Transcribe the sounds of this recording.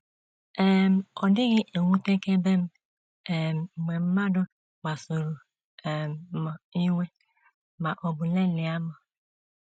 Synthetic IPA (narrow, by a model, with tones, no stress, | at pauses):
ɛ˨m̩˨ɔ˨dɪ˦ɣɪ˦e˨ŋʷu˦te˦ke˦be˦m̩˦ | ɛ˨m̩˨mʷe˨m̩˦ma˦dʊ˦ | ɡ͡ba˨so˨ɾo˨ | ɛ˨m˨ma˨i˦wʷe˦ | ma˨ʔɔ˨bʊ˨le˦lɪ˨a˦mɔ˨